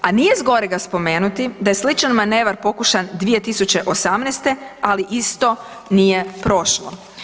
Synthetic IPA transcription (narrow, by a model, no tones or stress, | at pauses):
anije̞zɡo̞ɾeɡaspo̞me̞ːnut̪id̪aje̞slit͡ʃanmaneːʋaɾpo̞kuʃand̪ʋije̞t̪isut͡ɕe̞ʔo̞samnɛːst̪e̞aliʔist̪o̞ | nije̞pɾo̞ʃlo̰